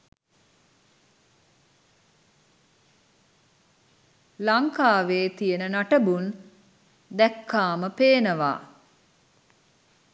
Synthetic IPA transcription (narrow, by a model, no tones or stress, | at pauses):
laŋkaːʋeːt̪ijenənaʈəbun | d̪ækːaːməpeːnəʋa̰ː